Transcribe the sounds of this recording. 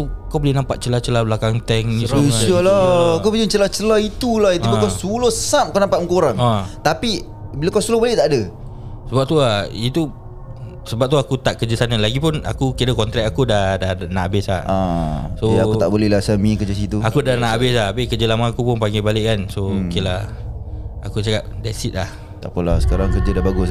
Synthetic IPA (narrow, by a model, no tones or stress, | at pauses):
okawbolɛhnãmpaʔ̚t͡ʃəlat͡ʃəlablakaŋt̪ɛŋsiɔlakawpəd͡ʒət͡ʃəlat͡ʃəlait̪ulahit̪ukasulosamkanampat̪muŋkoɾaŋat̪api | bilakawsulobolɛʔt̪aʔadəsəbap̚t̪uait̪u | səbap̚t̪uakut̪aʔkəd͡ʒəsanalaɡipʊna̰kukiɾəkɔnt̪ɾɛk̚akudahdahnaʔabɪslaãsoauaʔbolɛlasəmĩkəd͡ʒəs̬it̪uakudanaʔʔabɪs̬labekəd͡ʒəlamaakupʊnpaŋɡɛbalɪʔkansoukila | akut͡ʃakap̚dasit̪̚lah | t̪a̰ʔpəlasə̥kaɾaŋkərd͡ʒədabaɡʊs